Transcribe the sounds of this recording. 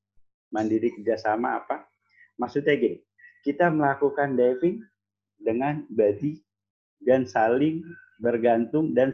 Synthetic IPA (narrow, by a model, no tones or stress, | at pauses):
mandiɾikərd͡ʒasama̰ːpa | maksut̪̚ɲaɡi | kit̪aməlakukandɛvɪŋ | dəŋanbadi | dansalɪŋ | bərɡant̪ʊŋdan